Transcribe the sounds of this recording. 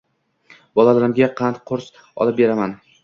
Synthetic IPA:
bɒlˠalaɾɪmɡʲaqʰɑnt̪qʰʊɾs | ɒ̰lˠɪp̚be̞ɾaman

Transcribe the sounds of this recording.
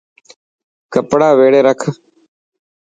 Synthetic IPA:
kəpɽaːʋeːɽeːɾəkʰ

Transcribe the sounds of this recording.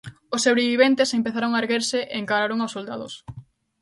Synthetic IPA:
osoβɾeβiβent̪esempeθaɾoŋaeɾɣeɾseʔeːŋkaɾaɾoŋawsold̪aðo̰s

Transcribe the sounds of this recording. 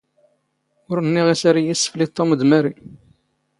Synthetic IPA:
ʊɾənːiʁisaɾijisːə̥flit̪ˤːoməd̪mæɾi

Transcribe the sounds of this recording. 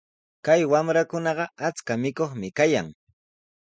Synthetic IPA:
kajwamɾakʊnɑɢɑat͡skamɪkoχmɪkajaŋ

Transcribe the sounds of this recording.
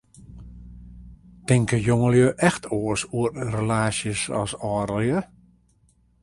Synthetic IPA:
tɪŋkəjoŋəljəʔɛxtʰoəsuərrəlaːsjəsɔ̰sɔːɾəlˠjə

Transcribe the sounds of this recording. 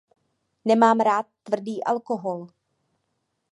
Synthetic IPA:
nɛmaːmɾaːt̪̚ːvr̩diːʔalkoɦol

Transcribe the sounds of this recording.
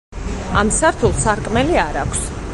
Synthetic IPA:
amsaɾt̪ʰulˠsaɾkʼmɛliaɾakʷʰs

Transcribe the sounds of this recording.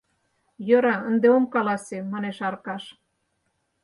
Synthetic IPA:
jɤɾɑənd̪eomkɑlɑsemɑneʃɑrkɑʃ

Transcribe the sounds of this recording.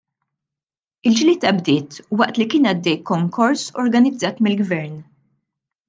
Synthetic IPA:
ɪld͡ʒliːt̪ːɐbd̪ɪːt̪wɐʔt̪likɪːnɐd̪ːɛjkːɔŋkʰɔɾsɔɾɡɐnɪd͡zːɐːt̪mɪlɡvɛɾn

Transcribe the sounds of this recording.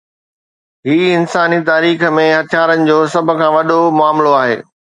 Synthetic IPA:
ɦiːɪnsaːnit̪aːɾiːxə̆mẽɦɐt̪ʰjaːɾənɪ̆d͡ʑoːsɐbʱʊ̆kʰãːʋɐɗomʊaːmloaːɦḛː

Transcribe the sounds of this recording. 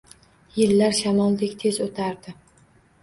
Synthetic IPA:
jɪlːaɾʃamɒlˠd̪ekʲt̪ʰe̞zot̪ʰaɾd̪ɪ

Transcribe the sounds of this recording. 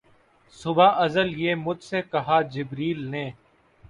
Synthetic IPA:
sʊbaːʔəzəljeːmʊd͡ʒseːkɐɦaːd͡ʒɪbɾiːlneː

